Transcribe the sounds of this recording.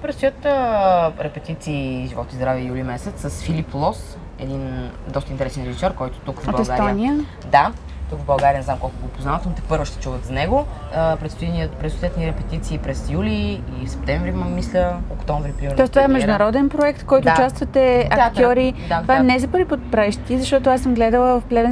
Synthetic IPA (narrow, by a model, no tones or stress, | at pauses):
pɾɛst̪jət̪əɾɛpɛt̪it̪siːʒivɔt̪izd̪ɾaviəjulimɛsɛt̪sːɐsfiliplˠɔs | ɛd̪ind̪ɔst̪əint̪ɛɾɛsɛnɾɛʒisaɾkɔjt̪ʊ̥t̪ukvobɐlɛsˠɡaɾiɔəniə | d̪a | t̪ukvbɐlˠɡaɾʲiənɛznamkɔlˠkʊɡopoznavət̪not̪ɛpɤɾvəʃt̪ɛ̥t͡ʃuvət̪zɐnɛɡoəpɾɛt̪st̪uiniəpɾɛut̪ɛt̪niɾɛpɛt̪it̪siːpɾɛsjuli | ifsɛp̚t̪ɛɱvɾiməmːislʲəokt̪ɔɱvɾipɾimɛɾnɔjst̪ovaɛmɛʒd̪ʊnɐɾɔd̪ɛnpɾoɛkt̪kɔjt̪ʊt͡ʃast̪vət̪ɛɐkt̪ʲɔɾiaovanɛzɐpəɾvipət̪pɾaiʃt̪t̪izɐʃt̪ɔt̪oasːəmɡlɛd̪əlˠəvfklɛd̪ɛn